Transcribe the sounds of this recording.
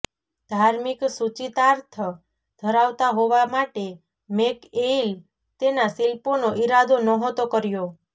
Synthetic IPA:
d̪̥ʱaɾmiksut͡ʃit̪aɾt̪ʰə | d̪ʱəɾaʋt̪aɦoʋamaʈe | mekel | t̪enasilponoʔiɾad̪ʱonɔɦot̪okəɾjo

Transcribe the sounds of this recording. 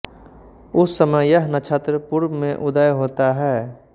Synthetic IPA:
ʊsːəməjəɦnət͡ʃʰət̪ɾəpuɾbmẽʔʊd̪əjɦoːt̪aɦɛː

